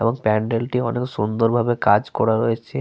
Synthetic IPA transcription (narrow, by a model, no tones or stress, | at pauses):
eboŋpɛɳɖelʈiɔneksund̪oɾbʱabekad͡ʑkɔɾaɾojet͡ɕʰe